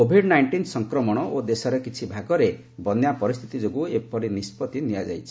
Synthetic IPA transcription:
kobʱiɖnajɳʈinsɔŋkɾɔmɔɽ̃ɔʔod̪esɔɾekit͡ʃʰibʱaɡɔɾe | bɔnjapɔɾist̪ʰit̪id͡ʒoɡuepɔɾinispɔt̪inijad͡ʒajt͡ʃʰi̥

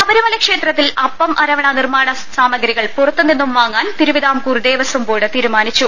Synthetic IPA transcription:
ɐʋɐɾumɐlɐkʂe̞ːt̪rɐt̪ːilɐpːɐmʔɐɾɐʋɐɳɐnirmaːɳɐ | saːmɐɡɐɾiɣɐɭpurɐt̪ːunːenːumʋaːŋːaːnt̪iɾuʋid̪aːmkuːrd̪e̞ːʋɐsumboːɽɨt̪iːɾumaːnit͡ɕːu

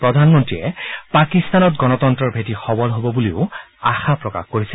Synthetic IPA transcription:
pɹɔdʱanmɔntɹiɛpakist̪anɔt̚ɡɔnɔtɔntɹɔɹbʱetixɔbɔlɦobɔbuliʊa̰xapɹɔka̰xkoɹisil

